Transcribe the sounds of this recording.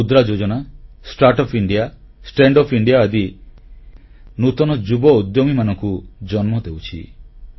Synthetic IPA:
ud̪ɾad͡ʒod͡ʒɔna | sʈaɾʈɔpʰiɳɖija | sʈeɳɖɔpʰiɳɖijaːd̪i | nut̪ɔnɔd͡ʒubɔud̪jɔmimanɔŋkud͡ʒɔnmɔd̪ewt͡ʃʰḭ

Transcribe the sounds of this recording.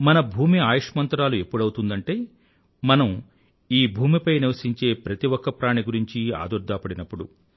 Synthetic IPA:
mɐnɐbʱuːmiaːjɐʂmɐnt̪ɾaːlue̞pːuɽɐwut̪und̪ɐɳʈe̞ː | mɐnɐm | iːbʱuːmipɐjniʋɐsiɲt͡ʃe̞ːpɾɐt̪iwɔkːɐpɾaːɳiɡuɾiɲt͡ʃia̰ːd̪uɾd̪ʱaːpɐɽinɐpːuɽu

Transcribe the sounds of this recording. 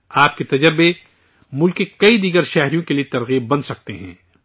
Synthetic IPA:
aːp̚ket̪ɐd͡ʒəɾbe | mʊlkekɐid̪iːɡəɾʃɛɦɾijõkeliet̪ɐɾɣiːb̚ːɐ̃nsɐk̚t̪eɦɛ̰̃ː

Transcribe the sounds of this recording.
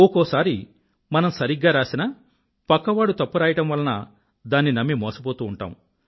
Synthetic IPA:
ɔkɔːsaːɾi | mɐnɐmsɐɾiɡːaːɾaːsinɐː | pɐkːɐʋaːɽut̪ɐpːuɾaːjɐʈɐmʋɐlːɐnɐ | d̪aːnːinɐmːimɔːsɐp̬oːt̪uːuɳʈa̰ːmu

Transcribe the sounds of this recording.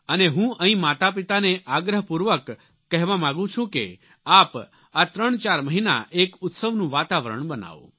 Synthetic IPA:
əneɦũəɦĩmat̪ap̬it̪aneʔaɡɾəɦəpuɾʋəkː | ɛɦʋamãɡũt͡ʃʰũkḛ | ap | at̪ɾəɳt͡ʃaɾməɦina̰ʔekʊt̪səʋnũʋat̪aʋəɾə̰ɳbəna̰ʋṵ̃

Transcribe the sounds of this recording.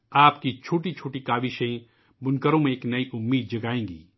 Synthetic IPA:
aːpkit͡ʃʰoːʈit͡ʃʰoːʈikaːʋiʃɐ̃ĩ | bʊnkəɾõmẽeːknɐiʔʊmːiːd̪̚d͡ʒɐɡaːẽːɡḭː

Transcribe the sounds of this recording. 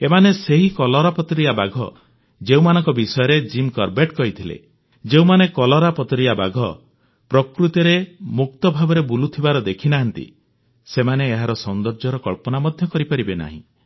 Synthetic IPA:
emaneseɦikɔlɔɾapɔt̪ɾiabaɡʱɔ̰ | d͡ʒeũmanɔŋkɔbisɔjɔɾed͡ʒimkɔɾbeʈkɔɦit̪ʰilḛ | d͡ʒeũmanekɔlɔɾapɔt̪ɾijaba̰ɡʱɔ | pɾɔkɾut̪ɔɾemuk̚t̪ɔbʱabɔɾebulut̪ʰibaɾɔd̪ekʰinaɦant̪ḭ | semaneːɦaɾɔsɔnd̪ɔɾd͡ʒɔɾɔkɔɭpɔnamɔd̪ʱjɔkɔɾipaɾibena̰ɦḭ̃

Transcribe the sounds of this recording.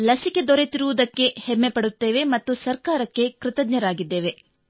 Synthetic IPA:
lɐsike̞d̪ɔɾe̞t̪iɾuʋud̪ɐkːe̞hɛmːepɐɽut̪ːe̞ːʋe̞mɐt̪ːusɐɾkaːɾɐkːe̞kɾɪt̪ɐɡɲɐɾaːɡid̪ːeːʋe̞

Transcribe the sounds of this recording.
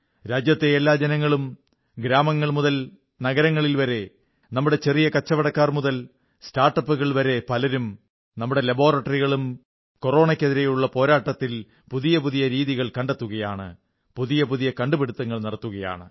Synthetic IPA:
ɾaːd͡ʑjɐt̪ːeelːaːd͡ʑɐnɐŋːɐɭum | ɡɾaːmɐŋːɐɭmuðɐl | nɐɣɐɾɐŋːɐɭilʋɐɾe̞ | nɐmːuɽe̞t͡ɕe̞rijɐkɐt͡ɕːɐʋɐɽɐkːaːrmuðɐl | staːrʈːɐpːuɣɐɭʋɐɾe̞pɐlɐɾum | nɐmːuɽe̞lɐbo̞ːrɐʈːɐriɣɐɭum | ko̞ro̞ːɳɐkʲːeðiɾejuɭːɐpo̞ːɾaːʈːɐt̪ːil | puðijɐpuðijɐɾiːðiɣɐɭkɐɳɖet̪ːuɣɐjaːɳɨ̰ | puðijɐpuðijɐkɐɳɖupeɽut̪ːɐŋːɐɭnɐɽɐt̪ːuɣɐja̰ːɳɨ

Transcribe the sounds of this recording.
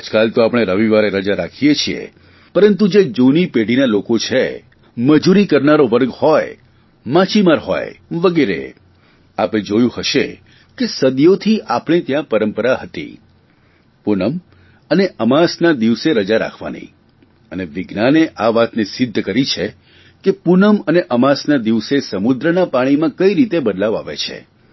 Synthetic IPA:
ad͡ʒkalt̪oapɽ̃eɾəʋiʋaɾeɾəd͡ʒaɾakʰijet͡ʃʰiḛ | pəɾənt̪ud͡ʒed͡ʒonipeɽ̤inalokot͡ʃʰe | məd͡ʒuɾikəɾnaɾoʋəɾɡhɔj | mãt͡ʃimaɾɦɔ̰jʋəɡeɾḛ | aped͡ʒojũhəʃe | kesəd̪jot̪ʰiʔapɳ̃et̪jãpəɾəmpəɾaɦət̪ḭ | punəm | əneʔəmasnad̪iʋseɾəd͡ʒaɾa̰kʰʋa̰nə̰i | əneʋɪɡnaneʔaʋat̪nesɪd̪ʱːkəɾit͡ʃʰe | kepunəməneʔəmasnad̪iʋsesəmud̪ɾənapaɽ̃imãkəiɾit̪ebəd̪laʋa̰ʋḛt͡ʃʰḛ

